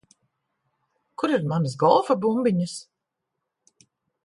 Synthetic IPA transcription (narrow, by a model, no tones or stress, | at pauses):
kuɾiɾmans̬ɡɔlˠfabumbiɲɨs